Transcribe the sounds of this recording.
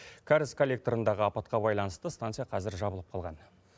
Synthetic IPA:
kʲʰaɾɪskʰolʲːe̞k̚t̪oɾənd̪ɑʁəɑpɑt̪̚qɑbɑjlˠɑnəst̪əst̪ant̪sɨjɑqʰɑzɪɾʒɑbəlˠəp̚qʰɑlˠʁɑn

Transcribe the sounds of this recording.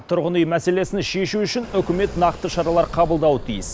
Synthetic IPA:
t̪ʰʊɾʁənijmæse̞le̞sɪnʃe̞ʃuʏʃɪnʏkʲɪme̞t̪nɑqt̪əʃɑɾɑlˠɑɾqʰɑbəlˠd̪ɑwət̪ʰijɪs

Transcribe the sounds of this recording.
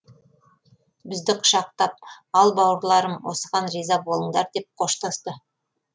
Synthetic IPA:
bɪzd̪ɪqʰʊ̥ʃɑq̚t̪ɑp̚ɑlˠbɑwəɾlˠɑɾəmwo̞̰səʁɑnrijzɑbo̞lˠəɴd̪ɑɾd̪e̞p̚qʰo̞ʃt̪ɑst̪ə

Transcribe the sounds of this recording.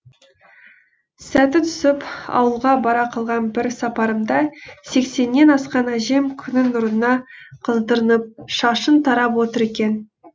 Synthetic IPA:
sæt̪ɪt̪ʰʏ̥sɪpɑ̰wəlˠʁɑbɑɾɑqʰɑlˠʁɑnbɪɾsɑpɑɾəmd̪ɑse̞kse̞nːe̞nɑsqɑnæʒe̞mkʲʰʏnɪnʊɾnənɑqʰəzd̪əɾənəp̚ʃɑʃənt̪ʰɑɾɑpwo̞t̪əɾe̞kʲen

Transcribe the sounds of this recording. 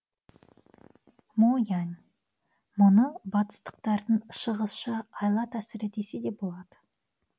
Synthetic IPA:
mojanʲ | mʊnəbɑt̪ə̥st̪ə̥q̚t̪ɑɾd̪əɴʃəʁəsʃɑɑjlˠɑt̪æsɪɾet̪e̞sɪd̪e̞bo̞lˠɑd̪̥ə

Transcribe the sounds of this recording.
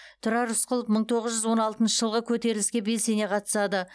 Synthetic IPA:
t̪ʰʊɾɑɾʊsqəlˠəp̚məɴt̪ʰo̞ʁəzʒʏzwo̞nɑlˠt̪ənʃəʒ̥əlˠʁəkʲʰɵt̪e̞ɾɪlɪskʲe̞be̞ssene̞qʰɑt̪ə̥sɑd̪ə

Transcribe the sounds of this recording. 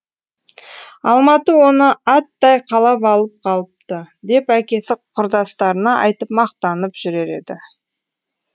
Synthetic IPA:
ɑlˠmɑt̪əwo̞nəɑt̪ːɑjqʰɑlˠɑpɑlˠəp̚qʰɑlˠəp̚t̪əd̪e̞pækʲe̞sɪqqʰʊɾd̪ɑst̪ɑɾənɑʔɑ̰jt̪əp̚mɑqt̪ɑnəpʒ̥ʏɾe̞ɾe̞̰d̪ɪ

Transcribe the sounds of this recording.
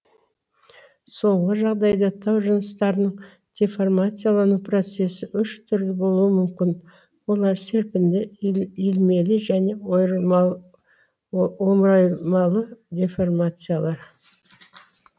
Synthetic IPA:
so̞ɴʁəʒɑʁd̪ɑjd̪ɑt̪ʰɑwʒənəst̪ɑɾənəɴ | d̪̥ʲeformat̪sijalˠɑnupʰro̞t̪se̞sɪʔʏʃt̪ʰʏɾd̪ɪbo̞lˠuəmʏmkʲɪn | wo̞lˠɑɾse̞ɾpɪnd̪ɪilme̞lɪʒæne̞ | o̞mɾɑjmɑlˠəd̪ʲeformat̪sɨjalˠɑɾ

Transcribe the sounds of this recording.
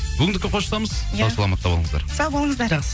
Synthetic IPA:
bʏɡʲɪnd̪ɪkʲːeqʰo̞ʃəsɑməz̥ɑwsɑlˠɑmɑt̪ːɑboəɴəzd̪ɑ̰ɾsɑwbolˠəɴəzd̪ɑɾʁəz

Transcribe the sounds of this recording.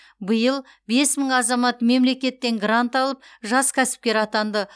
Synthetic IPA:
bəjəlˠ | be̞sməɴɑzɑmɑt̪me̞mle̞kʲe̞t̪ːe̞ŋɡrant̪ɑlˠəp̚ʒɑskʲʰæsɪ̥p̚kʲe̞ɾɑt̪ɑnd̪ə

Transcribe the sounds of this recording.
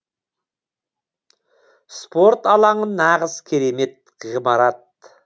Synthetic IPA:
spo̞ɾt̪ɑlˠɑɴənɑʁəzkʲʰeɾeme̞t̪̚ | ʁimɑɾɑt̪̚

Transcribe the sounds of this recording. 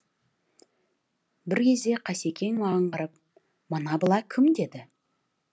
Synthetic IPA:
bɪɾkʲʰe̞zd̪e̞qʰɑse̞kʲʰe̞ŋwɑʁəɴqəɾəp | mənɑbəlˠɑkʲʰɪmd̪e̞d̪ɪ

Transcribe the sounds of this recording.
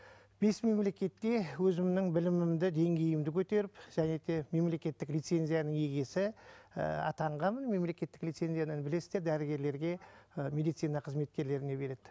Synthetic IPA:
b̥e̞sme̞mle̞kʲe̞t̪ːe̞wɵzɪmnɪŋbɪlɪmɪmd̪ɪd̪e̞ŋɡʲe̞jɪmd̪ɪkʲʰɵt̪e̞ɾɪpʒ̥æne̞d̪e̞me̞mle̞kʲe̞t̪ːɪklʲijt̪se̞nʲzijanəŋje̞ɡʲe̞sɪ̰ | ɑ̰t̪ɑɴʁɑmənme̞mle̞kʲe̞t̪ːɪklʲijt̪se̞nzijananbɪle̞sɪzd̪e̞ɾd̪æɾɪɡʲe̞ɾle̞ɾɡʲe̞me̞d̪ijt̪sijnɑqʰəzme̞t̪̚kʲe̞ɾle̞ɾɪne̞be̞ɾe̞d̪̥ɪ

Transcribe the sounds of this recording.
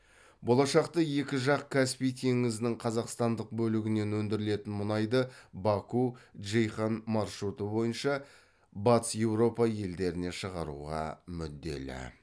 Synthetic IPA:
bo̞lˠɑʃɑqt̪əje̞kʲɪʒɑq̚kʲʰæspijt̪ʰe̞ŋɪzɪnɪŋqʰɑzɑqst̪ɑnd̪əq̚bɵlɪɡʲɪne̞nwɵnd̪ɪɾɪle̞t̪ɪnmʊnɑjd̪əbɑkuʒejχanmɑɾʃɾut̪əbo̞jənʃɑ | bɑt̪sje̞wɾo̞pɑje̞ld̪e̞ɾɪne̞ʃəʁɑɾṵʁɑ̰mʏd̪ːe̞̰lɪ̰

